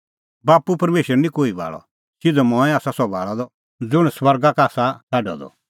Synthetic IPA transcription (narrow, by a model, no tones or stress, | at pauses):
baːpupɐɾmeːʃəɾnĩkoːibʱa̰ːɭɔ̰ | sɪd͡zɔmɔ̃ːɛ̃aːsasɔbʱaːɭad̪ɔ | d͡zʊɽ̃swɐɾɡakaːsataɖɔ̰d̪ɔ̰